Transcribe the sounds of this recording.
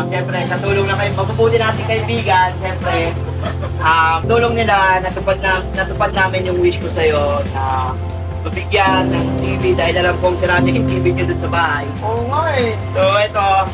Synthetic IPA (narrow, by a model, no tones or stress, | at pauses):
ʃɛmpɾɛkɐt̪uːloŋnɐkɐmɐbubuːt̪ɪnaːt̪ɪŋkɐʔɪbiːɡɐnʃɛmpɾɛ | ʔɐmt̪uːloŋnɪlanɐt̪ʊpad̪̚nanɐt̪ʊpad̪̚naːmɪnjʊŋwɪst͡ʃkosɐjo̞nɐ | mɐbɪɡjanːɐŋt̪iːvid̪aːhɪlɐlamkoŋsɪɾaːt̪ɪkɪt̪ɪbɪd̪jʊd̪ʊnsɐbaːhajʔoːŋaj | t̪oʔɛt̪o